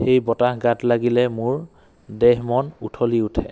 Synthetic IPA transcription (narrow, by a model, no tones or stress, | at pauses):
xejbɔtahɡatlaɡilɛmʊɹ | dɛɦmɔnutʰoliutʰɛ̰